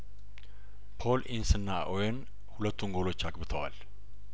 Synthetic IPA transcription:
pʰo̞lʔinsɨnːaʔojɛn | hulət̪ːuŋɡo̞lo̞t͡ʃːaɡbɨt̪ʰəwa̰l

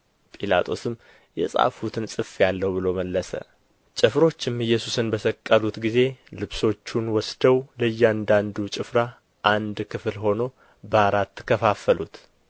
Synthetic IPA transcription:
pʼila̰t̪ʰʼo̞sɨmː | jɛ̰sʼa̰fut̪ʰɨnsʼɨfjalːəwbɨlowməlːəsə̰ | t͡ʃʼɪfɾo̞t͡ʃːɪmɨjːɛsusɨnbəsəkʼːəlut̪ɡize̞lɨβso̞t͡ʃːunwɔsd̪̥əwləjːɛand̪and̪ut͡ʃʼɪfɾa | ʔand̪kʰɨflɦo̞no̞ | bəaɾat̪ːɨ̥kʰːəfafəlut̪

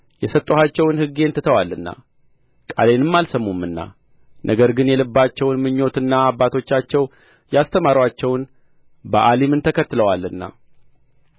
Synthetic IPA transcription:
jɛsət̪ʼːohat͡ʃːɛwnhɨɡːent̪ʰɨt̪ʰəwalːɨnːa̰ | kʼa̰le̞nɨmːalsəmːumːɨnːa̰ | nʔəɡəɾɡɨnjɛlɨbːat͡ʃːɛwnmɨɲːo̞t̪ɨnːaːbːat̪ʰo̞t͡ʃːat͡ʃːɛw | jast̪ʰəmaɾwat͡ʃːɛwn | bəʔalimɨnt̪ʰəkʰət̪ːləwalːɨnːa̰

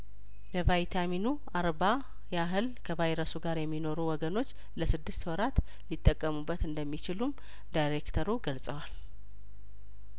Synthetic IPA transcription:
bəvajt̪ʰaminu | aɾba | jaɦɨlkʰəvajɾəsuɡaɾjɛmːino̞ɾuwɔɡəno̞t͡ʃː | ləsɨd̪ːɨst̪wɔɾat̪ | lit̪ʼːəkʼːəmubːət̪ɨnd̪əmːit͡ʃɪlum | d̪ajɾe̞kt̪ʰəɾuɡəlsʼəwal

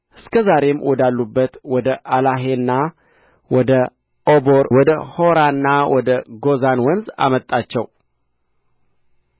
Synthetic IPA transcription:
ʔɨskʰəzaɾe̞mwɔd̪alːubːət̪wɔd̪əʔalaɦe̞nːa | wɔd̪ə | oboɾwɔd̪əho̞ɾanːawɔd̪əɡo̞zanwɔnza̰mət̪ʼːat͡ʃːɛw

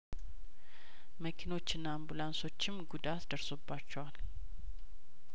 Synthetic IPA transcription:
məkʰino̞t͡ʃːɪnːambulanso̞t͡ʃːɪmɡud̪at̪d̪əɾsobːat͡ʃːɛwal

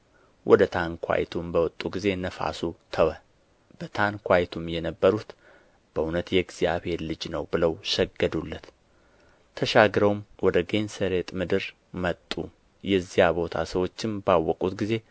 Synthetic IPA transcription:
wʔɔd̪ət̪ʰankʰʷwa̰jt̪ʰumbəwɔt̪ʼuɡize̞nəfa̰sut̪ʰəwə | b̥ət̪ʰankʰʷajt̪ʰumjɛnəbːəɾut̪ | b̥əʔunət̪jɛɡz̥ijaβhe̞ɾlɨd͡ʒnəwbɨləwʃɛɡːəd̪ulːət̪ | t̪ʰəʃaɡɾəwmwɔd̪əɡensəɾe̞t̪ʼmɨd̪ɨɾ | mət̪ʼːu | jɛzːijabo̞t̪ʰa̰səwo̞t͡ʃːɪmbawːɔkʼut̪ɡize̞

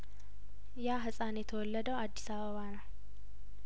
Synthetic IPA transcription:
jaɦɨsʼanjɛt̪ʰəwɔlːəd̪əwad̪ːisaβəβanəw

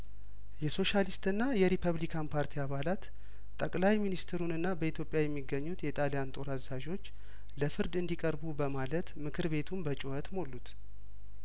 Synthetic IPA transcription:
jɛso̞ʃalist̪ɨnːajɛɾipʰəβlikʰanpʰaɾt̪ʰiaβalat̪ | t̪ʼːəkʼlajminist̪ʰɾunɨnːabəit̪ʰjo̞pʼjajɛmːiɡːəɲːut̪jɛt̪ʼalijant̪ʼo̞ɾazaʒo̞t͡ʃː | ləfɨɾd̪ɨnd̪ikʼəɾbubəmalət̪mɨkʰɨɾβe̞t̪ʰumbət͡ʃʼuhət̪mo̞lːut̪

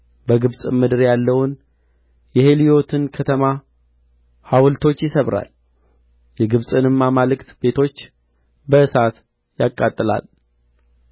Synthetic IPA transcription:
bəɡɨβsʼɨmɨd̪ɨɾjalːəwun | jɛhe̞lijo̞t̪ʰɨnkʰət̪ʰəma | hawlt̪ʰo̞t͡ʃːjɪsəβɾa̰l | jɛɡɨβsʼɨnɨmːamalɨkt̪be̞t̪ʰo̞t͡ʃː | bəʔɨsat̪ | jakʼːat̪ʼːɨla̰l

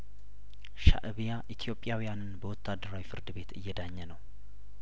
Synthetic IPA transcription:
ʃa̰ʔɨβijaʔit̪ʰijo̞pʼːjawijanɨnbəwɔt̪ʰːad̪ːəɾawifɨɾd̪ɨβe̞t̪ʰɨjːɛd̪aɲːɛnəw

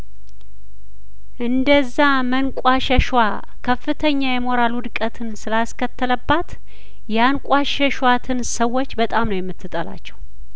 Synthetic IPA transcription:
ʔɨnd̪əzːa | mənkʷʼwaʃɛʃwa | kʰəfɨt̪ʰəɲːajɛmo̞ɾalwʊd̪kʼət̪ʰɨnsɨlaskət̪ːələbːat̪ | jɛankʷʼaʃɛʃwat̪ʰɨnsəwːo̞t͡ʃːbət̪ʼamnəwjɛmːɨt̪ːɨt̪ʼəla̰t͡ʃːɛ̥w

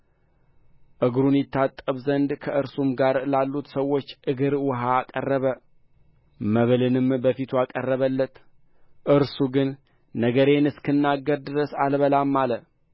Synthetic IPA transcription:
ʔɨɡɾunjɪt̪ʰːat̪ʼːəβzənd̪kʰəʔɨɾsumɡaɾlalːut̪səwːo̞t͡ʃːʔɨɡɨɾwɔɦaːkʼərːəβə | məβlɨnɨmbəfit̪ʰuakʼərːəβəlːət̪ | ʔɨɾsuɡɨnː | əɡəɾe̞nɨskʰɨnːaɡːəɾd̪ɨɾəsalβəlamːalə

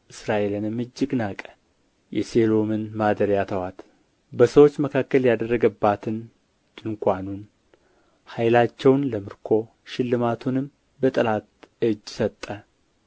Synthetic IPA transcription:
ʔɨsɾaʔelɨnɨmɨd͡ʒːɨɡnakʼə̥ | jɛse̞lo̞mɨnmad̪əɾjat̪ʰəwat̪ | bəsəwo̞t͡ʃːməkʰakːəljad̪ərːəɡəbːat̪ʰɨn | d̪ɨŋkʷanun | hajlat͡ʃːɛwnləmɨɾkʰo̞ | ʃɪlːɨmat̪ʰunɨm | bət̪ʼəlat̪ɨd͡ʒːsət̪ʼːə

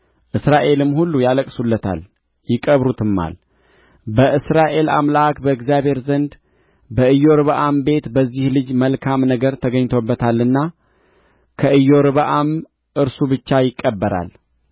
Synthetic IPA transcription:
ʔɨsɾaʔe̞lɨmhulːujaləkʼsulːət̪ʰa̰l | jɪkʼəβɾut̪ʰɨmːa̰l | bəʔɨsɾaʔe̞la̰mlaakbəɨkzjaβhe̞ɾzənd̪ | bəɨjːo̞ɾɨβʔambe̞t̪bəzːihlɨd͡ʒməlkʰamnəɡəɾt̪ʰəɡəɲːt̪ʰo̞bːət̪ʰalːɨnːa | kʰəʔɨjːo̞ɾɨβəʔam | ʔɨɾsubɨt͡ʃːajɪkʼːəbːəɾa̰l

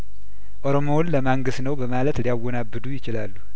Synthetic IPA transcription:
ʔo̞ɾo̞mownːəmaŋɡɨsnəwbəmalət̪lijawːɔnabːɨd̪ujɪt͡ʃɪlalːu

